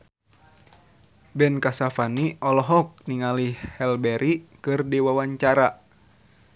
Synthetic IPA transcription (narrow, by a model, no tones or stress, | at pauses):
bɛnkasafaniʔɔlɔɦɔk̚niŋalihhɛlbɛɾʔikɨrdiwawaɲt͡ʃaɾa